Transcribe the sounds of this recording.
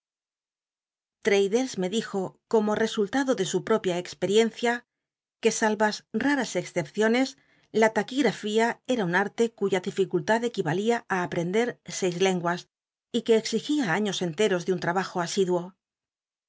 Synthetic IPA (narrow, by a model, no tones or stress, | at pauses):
t̪ɾejðelsme̞ðixoko̞mo̞re̞sult̪aðo̞ðe̞supɾo̞pjaekspe̞ɾje̞n̟θja | ke̞salβasraɾase̞ksθe̞pθjo̞ne̞s | lat̪akiɣɾafiae̞ɾaunaɾt̪e̞kuʝaðifikult̪aðe̞kiβaliaaːpɾe̞nd̪e̞ɾse̞jzle̞ŋɡwas | ike̞ːksixiaaɲo̞se̞nt̪e̞ɾo̞zðeunt̪ɾaβaxo̞asiðwo̞